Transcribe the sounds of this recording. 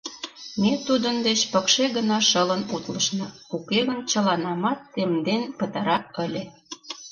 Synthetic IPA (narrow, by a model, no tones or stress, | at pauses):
met̪ud̪ənd̪et͡ɕpə̆kʃeɣənɑʃələnut̪lə̆ʃnɤ̆ukeɣənt͡ɕəlɑnɑmɑt̪ːemd̪enpət̪ɑɾɑəlʲe